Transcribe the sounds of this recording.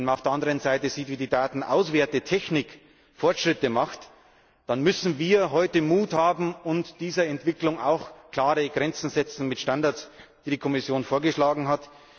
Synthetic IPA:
nmanaʊfeɐandəʁənzaɪtəziːtviːdiːdaːtn̩ʔa̰ʊsv̥eːɐtətʰɛçnɪk | fɔɐtʃʁ̥ɪtəmaχt | d̥anmʏsn̩viːɐɦɔʏtəmuːthaːbm̩ʊntd̥iːzɐɛntv̥ɪklʊŋa̰ʊxkl̥aːʁəɡʁɛnt͡sn̩zɛt͡sn̩mɪtʃtandaɐsd̥iːdikʰɔmɪsjoːnfoːɐɡəʃlaːɡŋ̩ɦat

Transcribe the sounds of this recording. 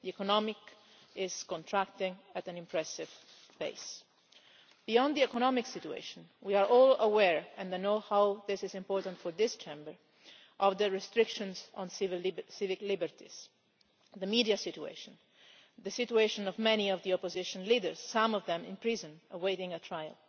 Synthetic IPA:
d̪iɛkɔnɔmɪk | ɪz̥kɔ̃nt̪ʰɹækt̪ɪ̃ŋæt̪æ̃nɪ̃mpɹɛsɪv | b̥ḛɪs | b̥ijɔ̃nd̪d̪iɛkɔnɔmɪksit̪uḛʃɔ̃nwiaɹʔɔːləwɛɹɛ̃nnohawðɪsɪzɪ̃mpɔːɹt̪ãntfɔɹðɪst͡ʃʰẽmbəɹ | ʔɔvd̪əɹɛst̪ɹɪkʃɔ̃nzɔ̃nsvɪlsɪvɪklɪbəɹt̪iz̥ | ðəmidiasɪt̪uḛɪʃɔ̃n | ðəsit̪ueɪʃɔ̃nɔvmɛniɔvd̪iɔpɔzɪʃɔ̃nlidəɹz̥ːãmɔvðɛ̃mɪ̰̃npɹizɔ̃nəweɪɾɪ̃ŋətʰɹajə̰l

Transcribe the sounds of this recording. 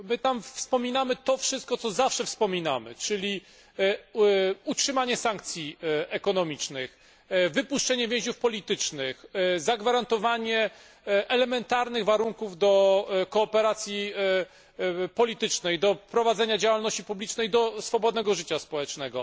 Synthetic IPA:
mɘt̪amffspɔmʲinamɘt̪ɔfʂɨst̪̚kɔt̪sɔzafʂɛfspɔmʲina̰mɘ̰t͡ʂɘlʲi | utʂɘmaɲɛsaŋk̚t̪sʲjiɛkɔnɔmʲit͡ʂnɘx | vɘpuʂt͡ʂɛɲɛvʲjɛ̃ʑufpɔlʲit̪ɘt͡ʂnɪxzaɡvaɾant̪ɔvaɲɛ | ʔɛlɛmɛnt̪aɾnɘɣvaɾuŋkuvd̪ɔkɔːpɛɾat̪sʲji | pɔlʲit̪ɘt͡ʂnɛjd̪ɔpɾɔvad̪zɛɲad͡ʑawalnɔɕt͡ɕipublʲit͡ʂnɛjd̪ɔsfɔbɔd̪̚nɛɡɔʐɘt͡ɕaspɔwɛt͡ʂnɛɡɔ

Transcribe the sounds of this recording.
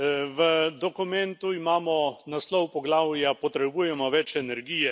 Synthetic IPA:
ʋəd̪ɔkumɛnt̪uimaːmɔnaslɔwpɔɡlaːwjapɔt̪ɾɛbuːjɛmɔʋɛt͡ʃɛnɛɾɡiːjɛ

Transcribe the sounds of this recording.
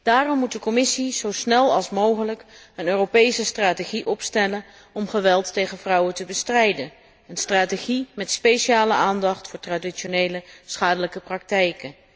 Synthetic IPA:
d̥aːrɔmːut̚dəkɔmɪsiz̥owsnɛlˠɑ̰lˠsmowχələk | ənøːropejsəstraːteχiʔɔpstɛlən | ɔmχəʋɛlˠtːejχənvrʌwətəbəstrɛjdən | ənstraːteχimɛtspejʃiaːləʔaːndɑχtfʊːɹtradit͡ʃonejləsχaːdələkəprɑk̚tɛjkən

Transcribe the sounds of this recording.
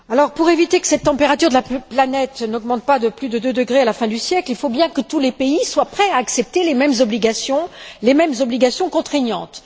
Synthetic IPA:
alɔʁpuʁevit̪ekə̥sɛt̪ːɑ̃peʁat̪yʁd̪əlaplanɛt̪nɔɡmɑ̃t̪̚pad̪əplyd̪əd̪ød̪əɡʁealafɛ̃d̪ysjɛklilfobjɛ̃kət̪ulepeiswapχɛaːksɛp̚t̪elemɛmzɔbliɡasjɔ̃lemɛmzɔbliɡasjɔ̃kɔ̃t̪χɛɲɑ̰̃t̪

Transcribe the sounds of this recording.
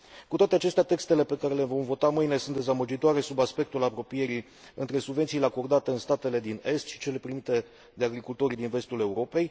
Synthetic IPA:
kut̪wat̪eat͡ʃe̞st̪eat̪e̞kst̪e̞le̞pe̞kaɾe̞levo̞mvo̞t̪amɨjne̞sunt̪d̪e̞zaməd͡ʒit̪oaɾe̞subaspe̞k̚t̪ulapɾo̞pije̞ɾi | ɨ̰nt̪ɾe̞subve̞nt̪sile̞ako̞rd̪at̪e̞ɨnst̪at̪e̞le̞d̪ine̞st̪ʃi̥t͡ʃe̞le̞pɾimit̪e̞ | d̪e̞aɡɾikult̪o̞ɾid̪inve̞st̪ule̞uɾo̞pe̞j

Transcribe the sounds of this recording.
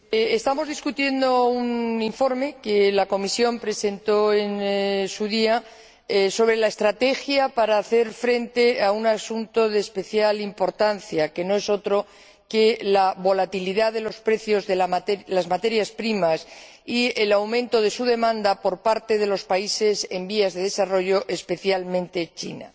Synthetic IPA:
eest̪amo̞zðiskut̪je̞nd̪o̞uniɱfo̞ɾme̞kelako̞misjo̞mpɾe̞se̞nt̪o̞e̞nsuðia | so̞β̞ɾe̞laest̪ɾat̪e̞xjapaɾaːθe̞ɾfɾe̞nt̪e̞aunasunt̪o̞ðe̞ːspe̞θjalimpo̞ɾt̪anθjake̞no̞e̞so̞t̪ɾo̞ | ke̞laβo̞lat̪iliðaðe̞lo̞spɾe̞θjo̞zðelaalazmat̪e̞ɾjaspɾimas | ielawmẽnt̪o̞ð̞e̞suðe̞mãnd̪apo̞ɾpaɾt̪e̞ð̞e̞lo̞spaise̞se̞mbiazðe̞ðe̞saro̞ʝo̞ʔe̞spe̞θjalmẽnt̪e̞t͡ʃḭna̰

